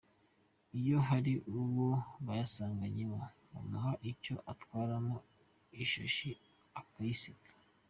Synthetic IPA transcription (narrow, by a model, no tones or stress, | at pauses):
ijo̞ɦaɾiʔuβoβajasaːŋɡaɲimo | ṵmahaʔico̞ʔatwaːɾamo | iʃo̰ʃi | akaisikḁ